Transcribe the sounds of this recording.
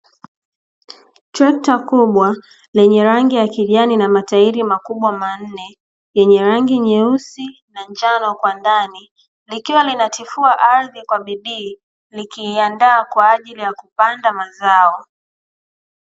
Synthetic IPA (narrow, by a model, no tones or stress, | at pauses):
tɾɛk̚takuɓwa | lɛɲɛɾaŋɡijakiʄaninamataiɾimakuɓwaman̩nɛ | jɛɲɛɾaŋɡiɲɛusinaɲd͡ʒanɔkwandani | likiwalinatifuaʔaɾðikwaɓiɗiː | likiːandaːkwaːʄilijakupandamazaɔ